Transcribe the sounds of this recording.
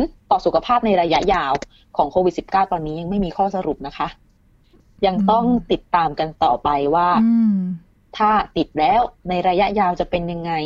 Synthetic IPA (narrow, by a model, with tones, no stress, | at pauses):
nt̪ɔː˨˩su˨˩kʰa˧pʰaː˥˩p̚na˧jɾaː˧ja˦˥ʔjaː˧w | kʰɔː˩˦ŋkʰoː˧wi˨˩si˨˩p̚kaː˥˩wwa˧nːiː˦˥ja˧ŋma˥˩jmiː˧kʰɔː˥˩sa˧ɾu˨˩p̚na˦˥kʰa˦˥ʔ | ja˧ŋt̪ɔ˥˩ŋt̪i˨˩t̪ːaː˧mka˧nt̪ɔː˨˩pa˧jwaː˥˩ | t̪ʰaː˥˩t̪i˨˩t̪̚lɛː˦˥wna˧jɾaː˧ja˦˥ʔjaː˧wt͡ɕa˨˩pe˧nja˧ŋːa˧j